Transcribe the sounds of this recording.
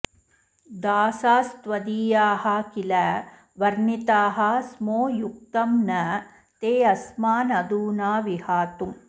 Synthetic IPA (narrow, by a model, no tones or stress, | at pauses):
d̪aːsaːst̪ʋɐd̪iːjaːɦɐkilɐ | ʋɐɾnit̪aːɦɐ̆smoːjuk̚t̪ɐmnɐ | t̪eːɐsmaːnɐd̪uːnaːʋihaːt̪um